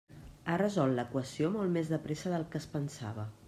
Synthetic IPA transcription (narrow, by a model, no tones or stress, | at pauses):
arəzɔlˠt̪ləkwəsiomolˠmezðəpɾesəðəlˠkəspənsa̰β̞ə